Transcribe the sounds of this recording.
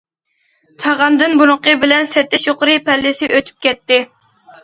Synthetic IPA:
t͡ʃʰɑʁɑnd̪ɨnbuɾʊqəbɪlɛnsɛt̪ːɪʃoqʊɾɨpɛlːɪsɪʔøt̪ʰy̥p̚kʲɛt̪ːɪ

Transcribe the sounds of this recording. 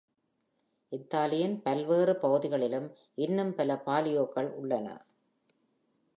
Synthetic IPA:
ʔɪt̪ːaːlɪjɐnpɐlʋeːrɯpɐɣɯðɪɣɐɭɪlɯm | ʔɪnːɯmpɐlɐpaːlɪjoːkːɐɭʊɭːɐnɐ̰

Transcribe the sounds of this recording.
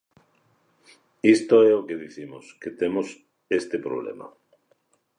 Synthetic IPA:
ist̪oɛokeðiθimosket̪emos | est̪epɾo̰βlḛma̰

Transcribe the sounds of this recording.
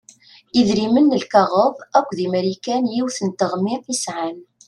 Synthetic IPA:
iðɾimənːəlkɑʁəvækʷːðimæɾikænjiwθənt̪əʁmiθisʕan

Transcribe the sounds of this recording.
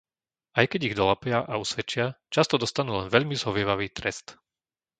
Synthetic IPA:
ʔajkɛɟiɣd̪ɔlapɪaʔausʋɛt͡ʃɪat͡ʃast̪ɔd̪ɔst̪anuːlɛnʋɛʎmizɦɔʋɪɛʋaʋiːt̪ɾɛst̪

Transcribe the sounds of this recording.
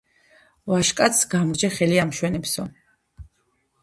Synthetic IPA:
vaʃkʼat̪sɡamɾd͡ʒɛχɛliamʃwɛnɛpsɔ

